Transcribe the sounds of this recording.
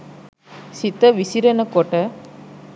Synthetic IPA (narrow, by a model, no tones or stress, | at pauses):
sit̪ɐʋisiɾɐnɐkɔʈɐ